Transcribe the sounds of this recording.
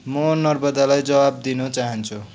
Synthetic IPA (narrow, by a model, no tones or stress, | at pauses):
mʌnʌrbʌd̪alajd͡zʌbab̚d̪inot͡saɦʌnt͡sʰu